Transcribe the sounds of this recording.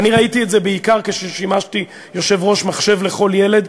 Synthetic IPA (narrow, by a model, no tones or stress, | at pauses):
aniʁait̪ietzebeikaʁkeʃeʃimaʃti | jo̞ʃe̞vʁo̞ʃmaχʃe̞vleχo̞ljele̞d̪